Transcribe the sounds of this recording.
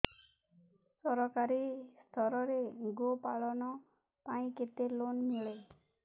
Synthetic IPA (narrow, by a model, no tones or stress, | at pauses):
sɔɾɔkaɾist̪ʰɔɾɔɾeɡopaɭɔnɔ | paĩket̪elonmiɭe